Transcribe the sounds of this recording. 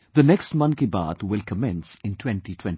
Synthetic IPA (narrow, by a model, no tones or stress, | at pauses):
d̪ənɛksʈmʌ̃nkiba̰ːt̪wɪlkəmɛ̃nsɪ̃ntʰwɛ̃nʈitʰwɛ̃n